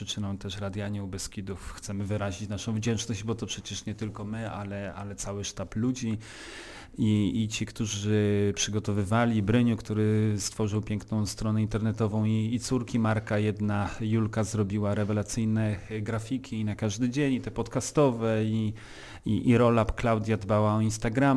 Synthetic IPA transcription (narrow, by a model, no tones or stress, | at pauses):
ʂɨt͡ʂɘnɔ̃mt̪ɛʂɾad̪ʲjaɲɛwbɛskʲid̪ufxt̪sɛmɘvɘɾaʑit͡ɕnaʂɔ̃w̃vd͡ʑɛnt͡ʂnɔʑd͡ʑbɔt̪ɔpʂɛt͡ɕɛʂɲɛt̪ɘlkɔmɘa̰lɛa̰lɛt̪sawɘʂt̪aplud͡ʑi | iːt͡ɕikt̪uʐɘpʂɘɡɔt̪ɔvɘvalʲibɾɘɲukt̪uɾɘst̪fɔʐɘwpʲjɛŋknɔ̃w̃st̪ɾɔnɛint̪ɛɾnɛt̪ɔvɔ̃w̃iːt̪suɾkʲimaɾkajɛd̪najulkazɾɔbʲiwaɾɛvɛlat̪sɘjnɛɡɾafʲikʲiːnakaʐd̪ɘd͡ʑeɲit̪ɛpɔt̪kast̪ɔvɛi | iʔiɾɔlapklawd̪ʲjad̪bawaɔinst̪aɡɾam